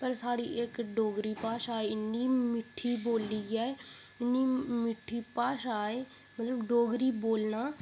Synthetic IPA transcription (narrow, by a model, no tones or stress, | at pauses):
pəɾsaːɽiːʔɪkɖoːɡɾiːpaːʃaːeːɪnːiːmɪʈʰːiːboːlːiːɛːe | ɪnːiːmɪʈʰːiːpaːʃaːeː | mət̪ləbɖoːɡɾiːboːlnaː